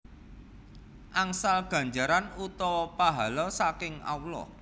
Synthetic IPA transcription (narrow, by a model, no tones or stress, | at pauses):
ʔaŋsalɡ̥a̤ɲd͡ʒaɾanut̪ɔwɔpaɦalɔsakɪŋa̰wlɔ̰